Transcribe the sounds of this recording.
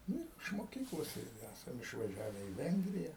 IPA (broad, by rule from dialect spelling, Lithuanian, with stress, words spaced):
ˈnʊ ɪr ɪʃ moːˈkʲiːklˠoːs ˈɪrʲɡʲɪ ˈæsɐm ɪʃʋɐˈʒʲæːʋʲɛ iː ˈʋʲɛŋɡrʲɪjɛ